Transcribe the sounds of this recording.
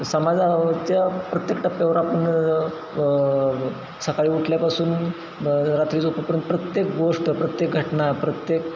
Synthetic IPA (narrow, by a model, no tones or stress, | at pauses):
səmad͡zat͡ɕjapɾət̪jekʈ̪apeʋɾapəɳ | səkaɭiːuʈʰljapasuːn | ɾat̪ɾiːd͡zupəpəɾjənt̪pɾət̪jek̚ɡoʂʈəpɾət̪jek̚ɡʱəʈnapɾət̪jek